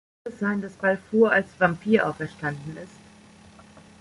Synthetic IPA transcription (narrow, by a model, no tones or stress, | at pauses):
ɛsz̥aɪndasb̥alfuːɐalsvampʰiːɐʔaʊfɛɐʃtandn̩ɪst